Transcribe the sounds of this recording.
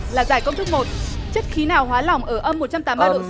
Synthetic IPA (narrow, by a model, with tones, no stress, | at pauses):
laː˨˩zaː˧˩jkə˧ŋ͡mt̪ɨ˦˥k̚mo˨˩t̚ | t͡ɕə˦˥t̚xi˨˦naː˨˩wɦwaː˨˦lɔ˨˩wŋ͡mʔəː˧˩ʔə˧mːo˨˩t̚t͡ɕa˧mt̪aː˨˦mːaː˧ɗ̰